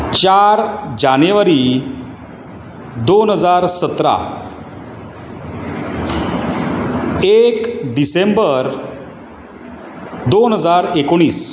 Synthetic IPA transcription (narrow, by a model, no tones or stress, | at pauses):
t͡ɕaɾd͡ʑaneʋəɾi | d̪onɦəd͡zaɾsət̪ɾa̰ | ekɖisembəɾ | d̪onɦəd͡zaɾekoɽ̃iːs